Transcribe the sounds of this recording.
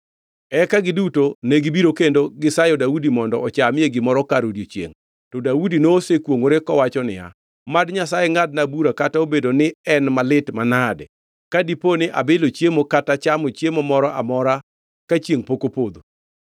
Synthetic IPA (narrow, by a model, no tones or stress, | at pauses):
ɛkaɡɪdutoneɡibiɾokendoɡɪsajɔdaudimɔndɔʔɔt͡ʃamɪeɡɪmɔɾɔkaɾodiot͡ʃjḛŋ | tɔdaudinosekwoŋoɾekɔwat͡ʃɔnɪ̰ja̰ | madɲasajeŋad̚nabuɾakataobedonɪɛnmalɪtmanadɛ | kadiponɪʔa̰bɪlot͡ʃjemokatat͡ʃamot͡ʃjemomɔɾɔʔa̰mɔɾa | kat͡ʃjeŋpokopod̪o